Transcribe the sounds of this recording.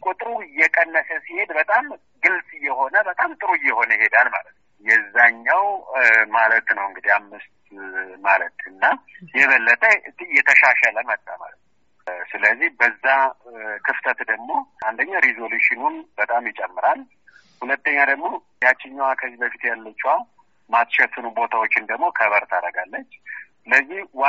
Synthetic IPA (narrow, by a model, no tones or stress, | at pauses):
kʷʼut̪ʼɾujɛkʼənːəsəsihe̞d̪bət̪ʼam | ɡɨlsʼɨjːɛho̞nəbət̪ʼamt̪ʼɨɾujːɛho̞nəjhe̞d̪alma̰lət̪nwjɛzːaɲːawmalət̪nəwɨŋɡɨd̪ihamːɨst̪malət̪ʰɨnːajɛβəlːət̪ʰʼət̪jːɛt̪ʰəʃaʃaləmət̪ʼːama̰lət̪n | wsɨləzːihbəzːakʰɨft̪ʰət̪d̪əɡmo̞and̪əɲːaɾizo̞luʃɪnunbət̪ʼamjɪt͡ʃʼɛmːɨɾal | hulət̪ːəɲːad̪əɡmo̞ | jat͡ʃːɪɲːwakʰəzːibəfit̪jalːət͡ʃːual | mat̪ʃɛt̪ʰːɨnubo̞t̪ʰawo̞t͡ʃːɪnd̪əɡmo̞kʰəβəɾt̪ʰaɾəɡalːət͡ʃːsɨləzːihw